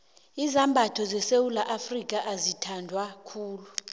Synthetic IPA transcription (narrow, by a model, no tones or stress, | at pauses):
izambʱatʰɔzɛsewulaʔafrik̬ʼaʔazitʰandʱwakʰuːlu